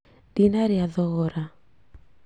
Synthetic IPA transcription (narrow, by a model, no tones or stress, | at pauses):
dinaɾiaðɔɣɔɾa